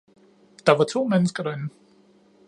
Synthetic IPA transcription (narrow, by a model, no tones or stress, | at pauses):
d̥ɑ̈ʋɑ̈t͡sʰo̝̰ːmenəsɡ̥ɐɾ̥ɑenn̩